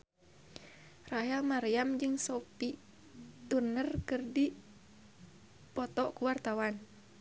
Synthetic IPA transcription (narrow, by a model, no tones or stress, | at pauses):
raɦɛlmaɾiamd͡ʒɨŋsɔpi | t̪unərkɨrdi | pɔt̪ɔʔkuwart̪awan